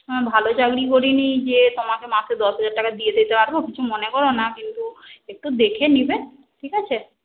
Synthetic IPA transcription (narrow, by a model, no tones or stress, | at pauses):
bʱalot͡ɕaɡɽik̬oɾinid͡ʑet̪omakemãsʰed̪ɔsbʱad͡ʑaɾʈakad̪ied̪et̪epaɾbokit͡ɕʰumonekɔɾonakint̪uek̚ʈud̪ekʰenibe | ʈʰikat͡ɕʰe